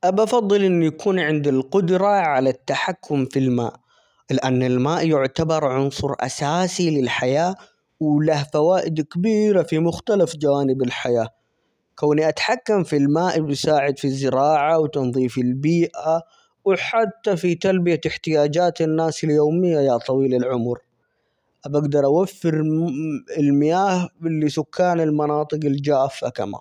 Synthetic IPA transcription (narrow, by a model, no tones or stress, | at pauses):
ʔabɑfɑðˤːɨlʔɪnːjakʰuːnʕɪnd̪ɪlqʊd̪ɾɑʕalat̪ːaħakʰːʊmfilma̰ːʔ | lɪʔanːɪlmaːʔjʊʕt̪abɑɾˤʕʊnsˤʊɾˤʔa̰saːsilɪlħajaː | wlahfawaːʔɪd̪kabiːɾafimʊxt̪alafd͡ʒawaːnɪbɪlħajaː | kawniʔat̪ħakːamfilmaːʔɪbsaːʕɪd̪fizːɪɾɑːʕawt̪ɑnðˤiːfɪlbiːʔa | wħat̪ːafit̪albijaɪħt̪ɪjaːd͡ʒaːt̪ɪnːaːsɪljoːmɪjːajat̪ˤɑwiːlalʕʊmʊɾ | ʔabaɡd̪ɑɾˤʔawafːɪɾ | ɪlmɪjaːhbɪlːisʊkʰːaːnɪlmɑnɑːt̪ˤɨqɪld͡ʒaːfːaka̰ma̰ːn